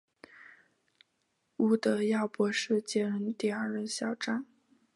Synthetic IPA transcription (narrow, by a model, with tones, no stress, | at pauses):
u˧˥˩t̪ɤ˧˥jɑ˥˩ʊpwɔ˧˥ʂɻ̩˥˧t͡ɕjɛ˥ɻə˧˥nt̪i˥˩a˞˥˩ɻə˧˥nɕjɑ˨˩ʊʈ͡ʂa˥n